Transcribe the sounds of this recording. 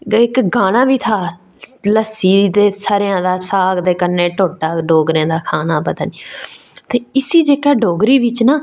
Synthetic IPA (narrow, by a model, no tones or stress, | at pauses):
ɪkɡaːɽ̃ãːʋiːt̪ʰaː | ləsiːd̪eːsaːɾejãːd̪aːsaːɡd̪eːkənːeːʈoːʈaːɖoːɡɾeãːd̪aːkʰaːnaːpət̪aːniː | t̪eːɪsiːd͡ʒeːkaːɖoːɡɾiːʋɪt͡ʃnaː